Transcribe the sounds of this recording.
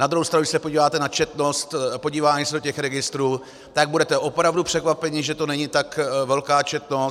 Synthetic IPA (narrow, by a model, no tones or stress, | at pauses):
nad̪ɾuɦowst̪ɾanuɡdɪ̥sɛpo̞ɟiːvaːt̪ɛnat͡ʃɛt̪no̞st̪po̞ɟiːvaːɲisɛdocɛxɾɛɡɪst̪ɾuː | t̪aɡ̚budɛt̪ɛʔopɾavdupr̥ɛkvapɛɲɪʒɛt̪o̞nɛɲɪt̪akvɛlkaːt͡ʃɛt̪no̞s